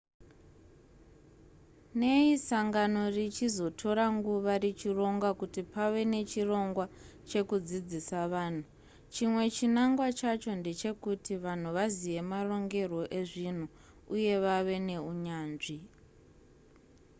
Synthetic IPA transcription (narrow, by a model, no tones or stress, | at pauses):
ne̞isaŋɡano̞rit͡ʃizo̞tʰo̞ɾaŋɡuʋarit͡ʃiro̞ŋɡwakutipaʋe̞ne̞t͡ʃiro̞ŋɡwat͡ʃe̞kud͡zid͡zisaʋaːn̤u | t͡ʃimwe̞t͡ʃinaŋɡwat͡ʃat͡ʃo̞nde̞t͡ʃe̞kutiʋan̤uʋazije̞maro̞ŋɡe̞rwo̞ʔe̞ʐin̤u | uje̞ʋaʋe̞ne̞uɲaːnʐi